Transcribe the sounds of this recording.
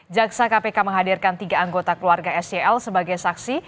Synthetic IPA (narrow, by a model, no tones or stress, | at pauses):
d͡ʒaksakapekaməŋɦadirkant̪iɡaaŋɡot̪akəluarɡaɛsɛɛlsəbaɡajsaksi